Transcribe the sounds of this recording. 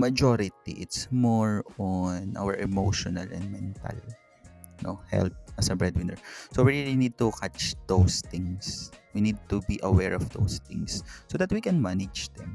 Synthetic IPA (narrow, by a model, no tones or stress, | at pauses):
mɐd͡ʒoɾɪt̪ḭʔɪt̪smɔɹɔnʔa̰wɛɹʔɛmowʃɔnɐlʔɛ̰nd̪̚mɛ̃nt̪ɐ̰l | nʔo̰hɛ̰lp̚ʔɐsɐbɹɛd̪wɪ̃nɛɹsowiɹilinid̪̚t̪ʊkʰat͡ʃd̪̥owst̪ɪ̃ŋswinid̪̚t̪ubiʔɐwɛɹɔvd̪o̰wst̪ɪ̰̃ŋsːod̪ɐt̪̚wikɛ̃nmanɪd͡ʒd̪ɛ̃m